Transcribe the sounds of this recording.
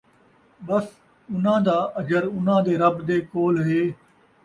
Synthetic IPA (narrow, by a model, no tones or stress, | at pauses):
ɓəs | ʊn̤ãːd̪aːʔɐd͡ʒəɾʊn̤ãːd̪eːɾəbd̪eːkoːlɦeː